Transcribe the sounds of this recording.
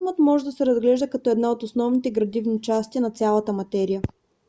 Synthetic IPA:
mət̪mɔʒɛd̪ɐsɛɾɐzɡlɛʒd̪əkɐt̪ɔɛd̪naot̪ʊsnɔvnit̪ɛɡɾɐd̪ivnit͡ʃast̪inɐt̪sʲalˠət̪əmɐt̪ɛɾijə

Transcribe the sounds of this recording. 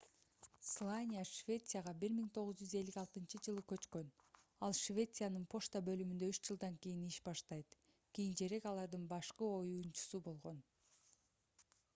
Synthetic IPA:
slˠanʲijaʃvʲe̞t̪sɨjaʁɑbiɾmiŋt̪ʰo̞ʁɯzd͡ʒyze̞lːikɑlˠt̪ɯnt͡ʃɯd͡ʒɯlˠɯkø̞t͡ʃkø̞n | ɑlˠʃvʲe̞t̪sɨjanɯnpʰo̞ʃt̪ɑbø̞lymynd̪ø̞yʃd͡ʒɯlˠd̪ɑŋkijiniʃbɑʃt̪ɑjt̪ | kʲijint͡ʃe̞ɾe̞kɑlˠɑɾd̪ɯnbɑʃqɯo̞junt͡ʃu̥subo̞lˠʁo̞n

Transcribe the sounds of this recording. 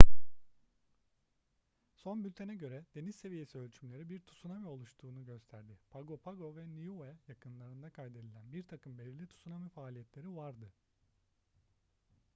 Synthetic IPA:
so̞nbylʲt̪ʰenɛɟø̞ɾɛd̪e̞nizse̞vije̞siø̞lʲt͡ʃʰymlʲe̞ɾibiɾt̪ʰu̥sunamio̞lˠuʃt̪ʰuːnuɟø̞st̪ʰæɾd̪ɪpʰaɡo̞pʰaɡo̞vɛnijuɛjakʰɯnlˠaɾɯnd̪akʰajd̪e̞d̪ilʲænbiɾt̪ʰakɯmbe̞lʲiɾlʲit̪ʰu̥sunamifaːlʲijɛt̪lʲe̞ɾivaɾd̪ɯ

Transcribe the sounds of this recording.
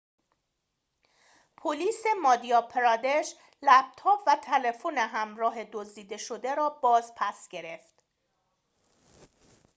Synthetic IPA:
pʰoliːse̞mɒːd̪iɒpʰeɾɒd̪eʃ | læp̚t̪ʰɒːpvæt̪ʰelefoneɦæmɾɒːɦe̞d̪ozd̪iːd̪e̞ʃod̪e̞ɾɒːbɒːzpʰæsɟ̥e̞ɾe̞ft̪

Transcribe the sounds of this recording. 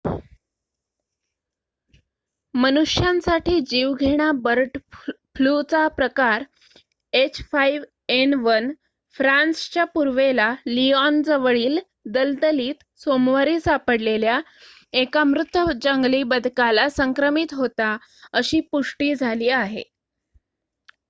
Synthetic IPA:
mənuʂjãnsaʈiːd͡ʑiːʋɡʱeɽ̃abəɾʈ | flut͡sapɾəkaɾ | et͡ɕʰfaiʋ | enʋən | fɾanst͡ɕapuɾʋelaliɔnd͡zəʋəɭiːl | d̪əlt̪əliːt̪ | somʋaɾiːsapəɽlelja | ekamɾut̪ːəd͡ʑəŋɡliːbəd̪ʱkalasəŋkɾəmit̪ɦot̪a | əɕiːpuʂʈiːd͡zʱaliːaɦḛ

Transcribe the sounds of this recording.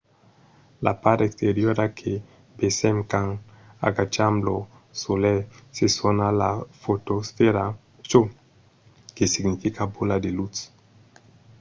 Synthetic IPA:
lʔa̰paɾekst̪eɾjoɾakʰe | besɛmkaŋ | a̰ɡat͡ʃamblo | solɛsesonalafot̪osfeɾa | t͡ʃo | kesiɡnifikabolad̪elut̪s

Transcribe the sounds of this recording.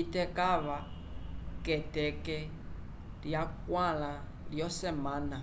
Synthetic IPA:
itɛkaβa | kɛtɛkɛ | ljakwala | ljɔsɛmaːna

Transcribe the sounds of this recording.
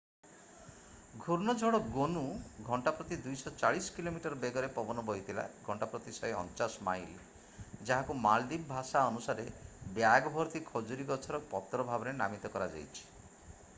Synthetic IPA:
ɡʱuɾnɔd͡ʒʱɔɽɔɡonuɡʱɔɳʈapɾɔt̪id̪ujsɔt͡ʃaɭisɔ̥kilomiʈɔɾɔbeɡɔɾepɔbɔnɔbʱɔit̪ʰila̰ɡʱɔɳʈapɾɔt̪isɔeɔ̰nt͡ʃasma̰jli | d͡ʒaɦakumald̪ibbʱasaɔnusaɾebjaɡɔbʱɔɾt̪ikʰɔd͡ʒuɾiɡɔt͡ʃʰɔɾɔpɔt̪ɾɔbʱabɔɾenamit̪ɔkɔɾad͡ʒa̰jt͡ʃʰi̥

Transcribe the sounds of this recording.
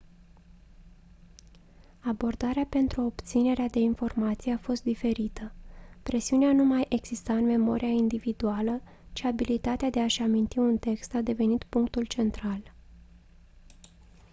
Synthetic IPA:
abo̞rd̪aɾeape̞nt̪ɾuo̞pt̪sine̞ɾead̪e̞info̞rmat̪sijeafo̞st̪̚d̪ife̞ɾit̪əpɾe̞siuneanumajʔe̞ɡz̥ist̪aɨnme̞mo̞̰ɾʔijaind̪ivid̪ualə | t͡ʃiabilit̪at̪ead̪e̞aʃamint̪iunt̪e̞kst̪ad̪e̞ve̞nit̪puŋkt̪ult͡ʃe̞nt̪ɾal

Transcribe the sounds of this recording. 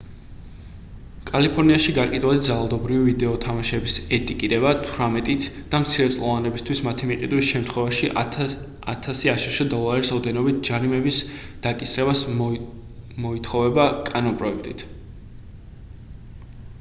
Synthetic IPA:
kʼalipʰɔɾniaʃiɡaqʼid̪walit̪d̪zalalˠd̪ɔbɾivivid̪ɛɔt̪ʰamaʃɛbisɛt̪ʼikʼiɾɛbat̪ʰɾamɛt̪ʼit̪ʰd̪̥amt̪sʰiɾɛt̪sʼlʼˠɔvanɛbist̪ʰwismat̪ʰimiqʼid̪wisʃɛmt̪ʰχwɛvaʃi | a̰t̪ʰasiaʃiʃɛd̪ɔlˠaɾisɔd̪ɛnɔbit̪̚ʰd͡ʒaɾimɛbisd̪̥akʼisɾɛβas | mɔit̪ʰχɔvɛbakʼanɔnpʼɾɔɛk̚ʰt̪ʼit̪ʰ

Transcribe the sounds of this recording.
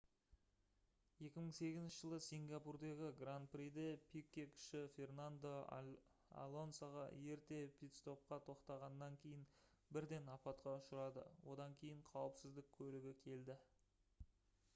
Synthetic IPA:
je̞kʲɪməɴse̞ɡʲɪzɪnʃɪʒəlˠəsiŋɡʲɑpurd̪eɡʲɪɡrant̪̚prid̪epʰikʲːekʲʏ̥ʃɪfʲe̞rnand̪o | a̰lˠo̞nsaʁɑ̰je̞ɾt̪e̞pʰʲijt̪st̪o̞p̚qɑt̪ʰo̞qt̪ɑʁɑnəːɑŋkʲʰe̞jɪn | bɪɾd̪e̞nɑpɑt̪qɑʊʃəɾɑd̪ə̰wo̞d̪ɑŋkʲʰe̞jɪɴqʰɑwəpsɪzd̪ɪk̚ʲʰɵlɪɡʲɪkʲʰe̞ld̪ɪ

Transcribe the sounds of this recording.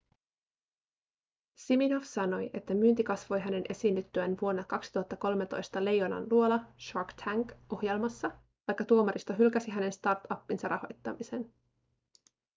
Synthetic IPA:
simino̞fsɑno̞jʔe̞t̪ːæmyːnt̪ikɑsʋo̞jɦæne̞nʔe̞siːnːyt̪ːyænʋuo̞nːɑkɑksi̥t̪uhɑt̪ːɑko̞lmet̪o̞̰jst̪ɑle̞jo̞nɑ̰nluo̞lɑʃɑkt̪ʰæŋkʔo̞hje̞lmɑsːɑ | t̪ɑjkːɑt̪uomɑɾist̪ɑɦylkæsiɦæne̞nst̪ɑrt̪ɑpːinsɑrʔɑho̞̰jt̪ːɑ̰mise̞n

